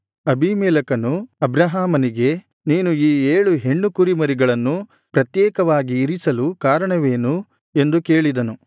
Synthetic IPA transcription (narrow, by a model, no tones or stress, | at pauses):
ɐbʱimɛːlɐkɐnuɐbɾɐɦaːmɐniɡe̞ | niːnuiːeːɭuɦe̞ɳːukuɾimɐɾiɡɐɭɐnːu | pɾɐt̪jɛːkɐʋaːɡiːɾisɐlukaːɾɐɳɐʋe̞ːnu | e̞nd̪uke̞ːɭid̪ɐnu